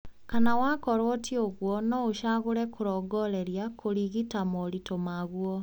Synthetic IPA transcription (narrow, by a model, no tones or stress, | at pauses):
kanawakɔɾwɔtioɣwɔnɔuʃaɣoɾɛkoɾɔɡɔɾeɾjakʰoɾiɣitamoɾitomaɣwɔ